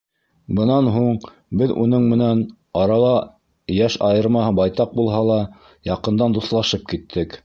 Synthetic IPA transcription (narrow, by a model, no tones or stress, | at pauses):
bɤ̆nɑnɦuɴ | bɘðṵnɤɴmɘ̆næn | ɑɾɑlˠɑ | jæʃɑjɤ̆ɾmɑɦɤbɑjt̪ɑq̚bulˠɦɑlˠɑ | jɑqɤ̆nd̪ɑnd̪uθlˠɑʃɤp̚kit̪ʰːɘk